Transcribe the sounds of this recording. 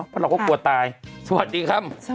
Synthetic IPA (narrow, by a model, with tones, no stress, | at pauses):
pʰɔː˧˥la˧wkʰɔ˧˦˩ku˨˩ət̪ːaː˨˧jsa˧wa̰˨t̪̚diː˧kʰa˦˥˩p̚